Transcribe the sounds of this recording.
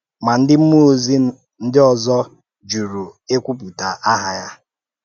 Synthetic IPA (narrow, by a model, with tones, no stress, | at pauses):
ma˨n̩˦dɪ˦m̩˦mu˦o˦zi˦ | n̩˦dɪ˦ɔ˨zɔ˦ | d͡ʒu˨ɾu˨e˦kʷu˦pu˨ta˨ʔa˦ɦa˨ja˦